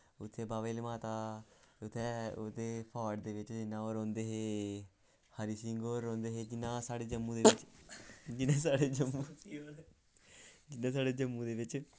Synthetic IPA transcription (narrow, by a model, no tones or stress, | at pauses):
ʊt̪ʰːeːbaːʋeːlmaːt̪aːʊt̪ʰːɛːoːd̪eːpʰaːɖd̪eːʋɪt͡ʃd͡ʒɪnːãːoːɾɔ̃ːnd̪eːɦeː | haɾiːsɪŋɡoːɾːɔ̃ːnd̪eːɦeːd͡ʒɪnːãːsaːɽeːd͡ʒəmːũːd̪eːɪt͡ʃ | d͡ʒɪnãːsaːɽeːd͡ʒəmu | d͡ʒɪnːãːs̬aːɽeːd͡ʒəmːũːd̪eːʋɪt͡ʃ